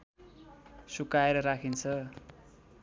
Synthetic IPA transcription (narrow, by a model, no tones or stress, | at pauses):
sukaeɾʌɾakʰint͡sʰʌ